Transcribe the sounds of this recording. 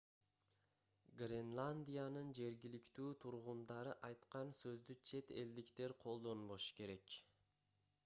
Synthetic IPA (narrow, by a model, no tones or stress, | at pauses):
ɡrʲenlˠanʲd̪ʲijanɯnd͡ʒe̞ɾɡʲilikt̪yːt̪ʰuɾʁund̪ɑɾɯʔɑjt̪qɑnsø̞zd̪yt͡ʃʰe̞t̪e̞̰ld̪ikt̪e̞ɾqʰo̞lˠd̪o̞nbo̞ʃu̥ke̞ɾe̞k